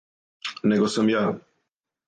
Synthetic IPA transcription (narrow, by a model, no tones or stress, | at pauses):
nɛɡosəmja